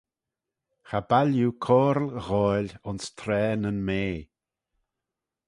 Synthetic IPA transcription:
xabaljukʰɔːɾlɣɔlʲʊnst̪ʰɾɛːnənmeː

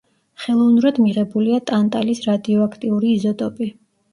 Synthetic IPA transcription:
χɛlˠɔvnuɾad̪miʁɛbuliat̪ʼant̪ʼalisɾad̪iɔakʰt̪ʼiuɾiːzɔt̪ʼɔpʼi

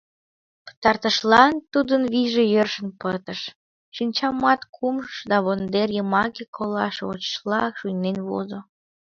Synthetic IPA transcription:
pə̥t̪ɑrt̪əʃlɑnt̪ud̪ənβiʒejørʃənpət̪əʃ | ʃinʲt͡ɕɑmɑt̪kʰumʃʃd̪ɑβond̪erjəmɑkekʰolɑ̰ʃo̰t͡ɕə̥ʃlɑkʃujnenβo̰zo

